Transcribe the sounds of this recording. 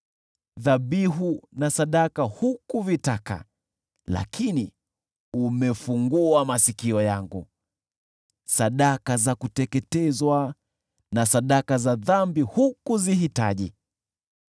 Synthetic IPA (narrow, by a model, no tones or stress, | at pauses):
ðaɓiɦunasaɗakahukuvitaka̰ | la̰kʰini | umɛfuŋɡuamasikiɔjaŋɡṵ | saɗakazakutɛkɛtɛzwa | nasaɗakazaðambihukuziɦita̰ʄḭ